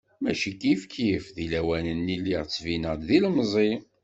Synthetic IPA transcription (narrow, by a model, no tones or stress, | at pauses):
mæʃikifkifðilæwænənːilːiʁt͡sːvinəʁd̪ðilmzˤi